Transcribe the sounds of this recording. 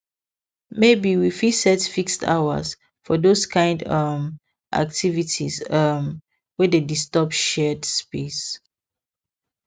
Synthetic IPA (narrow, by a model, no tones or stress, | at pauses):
mebiwifisɛtfikstʰa̰wə̰s | fɔdoskʰãɪ̃ndʌm | ʔa̰k̚tʰivitʰḭsʌm | wɛdedistɔp̚ʃɛdspes